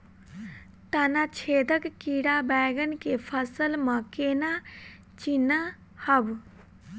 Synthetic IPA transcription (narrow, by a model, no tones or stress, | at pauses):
t̪ənat͡ʃʰed̪əkːiɽabaɡənkepʰəsəlməkena | t͡ʃina | həb